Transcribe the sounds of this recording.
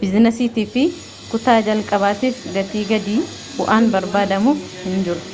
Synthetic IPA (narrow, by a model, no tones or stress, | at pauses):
bɪznɛsiːt̪iːfɪ | kʊt̪aːd͡ʒɐlkʼɐβaːt̪iːfɡɐt̪iːɡɐd̪iː | bʊʔaːnbɐɾbaːd̪ɐmuː | hɪnd͡ʒɪɾʊ̥